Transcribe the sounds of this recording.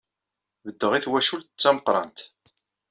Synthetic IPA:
ðəd̪ːəʁiθwæʃult̪ət͡sːæməqɾˤɑ̰nt̪

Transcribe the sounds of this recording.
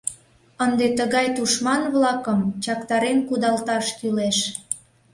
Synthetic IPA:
ənd̪et̪əɣɑjt̪uʃmɑnβlɑkəmt͡ɕɑkt̪ɑɾenkud̪ɑlt̪ɑʃkyleʃ

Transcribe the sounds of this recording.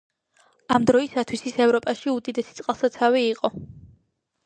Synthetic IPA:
amd̪ɾɔisat̪ʰwisisɛvɾɔpʼaʃiud̪id̪ɛsit̪sʼqʼalˠsat̪sʰaviːqʼɔ

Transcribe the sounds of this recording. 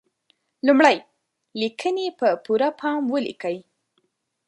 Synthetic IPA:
lumɽaj | likʰənepəpuɾapʰɑmwəlḭkəj

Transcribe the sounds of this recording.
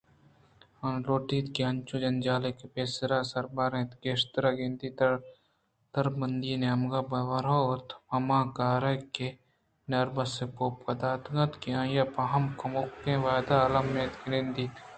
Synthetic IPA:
ɐnloːʈiːt̪kiɐnt͡ʃud͡ʒɐnd͡ʒaːlekepeːsɾaːsɐɾbaɾẽːt̪ɡeːʃt̪ɾaɡend̪it̪ɐɾ | t̪ɐɾbɐnd̪iːneɐmɡabɐʋɐɾaot̪mɐmaːkaːɾɐkːe | nɐɾbɐsepoːpkɐd̪aːt̪ɡɐt̪kiãːjapɐɦɐmkɐmokːẽʋaːd̪aɐlɐmːeːt̪ɡɾend̪iːt̪

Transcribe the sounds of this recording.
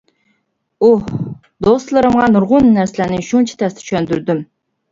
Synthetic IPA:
uh | d̪ost̪lˠɨɾɨmʁɑnuɾʁʊnːæɾsɪlænɪʃuŋt͡ʃʰɛ̥t̪ʰɛst̪ɪ̥t͡ʃʰɛnd̪yɾd̪ym

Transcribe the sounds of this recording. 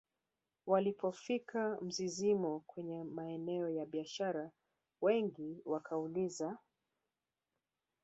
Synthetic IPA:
walipʰɔfikʰam̩zizimɔkwɛɲɛmaɛnɛɔjaɓiaʃaɾa | wɛŋɡiwakʰauliza

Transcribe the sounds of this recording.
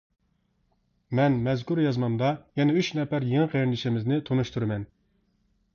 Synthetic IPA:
mɛnmɛzkʲuɾjɑzmɑnd̪ɑjɛnɛyt͡ʃnɛpæɾjeŋɨqʰeɾɪnlɪʃɪmɪznɪt̪ʰonuʃt̪ʰuɾɨmɛn

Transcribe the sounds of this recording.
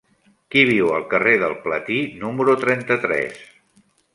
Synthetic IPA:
kiβ̞iwəlˠkəreðəlˠplət̪inuməɾut̪ɾɛnt̪ət̪ɾɛ̰s

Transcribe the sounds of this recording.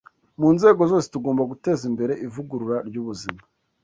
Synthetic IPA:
muːnze̞ːɡo̞zo̞ːsetuɡo̞ːmbaɡute̞zimbe̞ɾe̞ʔivuɡuɾuɾaɾɟuβuzima

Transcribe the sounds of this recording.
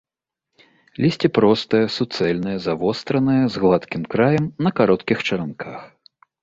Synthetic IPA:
lʲisʲt͡sʲipɾɔst̪ɨjɐsut̪sɛlʲnɨjɐzavɔst̪ɾɐnɨjɐzɣlˠat̪kʲimkɾajɐmnɐkaɾɔt̪kʲixt͡ʂɐɾankʰax

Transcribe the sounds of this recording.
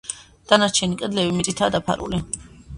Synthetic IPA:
d̪̥anaɾt͡ʃʰɛnikʼɛd̪lɛvimit̪sʼit̪ʰaːd̪apʰa̰ɾṵli

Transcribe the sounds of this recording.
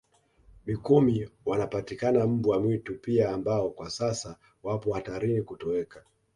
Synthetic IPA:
mikumiwanapatikanam̩buwamwitupiaːmbaɔkwasasa | wapɔhataɾinikutɔɛka

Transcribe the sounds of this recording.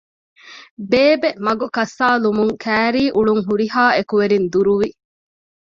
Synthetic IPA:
beːbemɐɡokɐsːaːlumuŋkʰæːɾiːʔuɭuŋɦuɾiɦaːekuʋeɾind̪uɾuʋi

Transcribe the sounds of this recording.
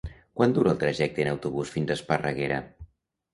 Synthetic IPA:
kwand̪uɾəːlˠt̪ɾəʒɛk̚t̪əːnəwt̪uβusfinzəspərəɣ̞eɾə̰

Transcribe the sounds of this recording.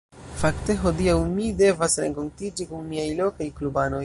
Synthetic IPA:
fakte̞ɦo̞diawmide̞vasɾe̞̰ŋko̞ntid͡ʒikuŋmiajlo̞kajklubano̞j

